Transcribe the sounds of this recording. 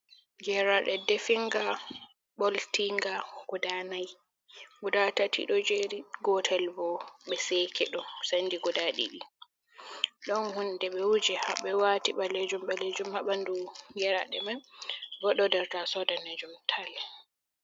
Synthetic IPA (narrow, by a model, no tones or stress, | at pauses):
ɡɛɾaɗɛdefiŋɡa | ɓɔltiŋɡaɡɔdanaj | ɡudatatʰḭɗɔd͡ʒeɾiɡɔtʰɛlbɔɓɛsekʰɛɗɔsandiɡɔdaɗḭɗi | ɗɔnhundɛɓɛwud͡ʒɛhaɓɛwatiɓaled͡ʒumɓɛled͡ʒumhaɓanduŋɡɛɾa̰ɗɛ̰manbɔɗɔdɛɾtasɔdaned͡ʒumtʰalɛ